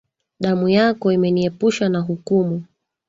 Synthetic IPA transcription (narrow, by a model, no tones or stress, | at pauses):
ɗamujakɔimɛniɛpuʃanaɦukumu